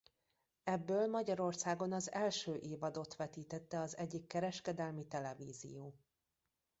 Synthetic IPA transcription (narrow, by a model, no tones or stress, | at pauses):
ɛbːøːlmɒɟɒɾo̞rsaːɡo̞nɒzɛlʃøːʔeːvɒd̪o̞t̪ʋɛt̪iːt̪ɛt̪ːɛɒzɛɟːikːɛɾɛʃkɛd̪ɛlmit̪ɛlɛvḭːzḭjoː